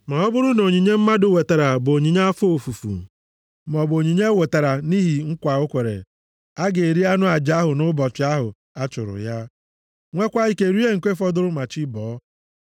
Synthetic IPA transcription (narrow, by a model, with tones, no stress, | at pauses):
ma˨ɔ˦bʊ˦ɾʊ˦no˨ɲi˨ɲe˦m̩˦ma˦dʊ˦we˨ta˨ɾa˨bo˨ɲi˨ɲa˦fo˨fu˨fṵ˨ | m˨ɔ˨bo˨ɲi˨ɲe˦we˨ta˨ɾa˨ni˦ɦi˨ŋ̩˦kʷa˨o˦kʷe˨ɾḛ˨ | a˦ɡe˨e˨ɾi˦a˦nʊ˦a˨d͡ʒa˦ɦʊ˨nʊ˦bɔ˨t͡ʃɪ˨˦a˦ɦʊ̰˨ | a˦t͡ʃʊ˨ɾʊ̰˨ja˦ | ŋʷe˦kʷa˦i˦ke˨ɾu˦e˦ŋ̩˨kʷe˦fɔ˦dʊ˦ɾʊ˦ma˨t͡ʃi˦bɔ˨˦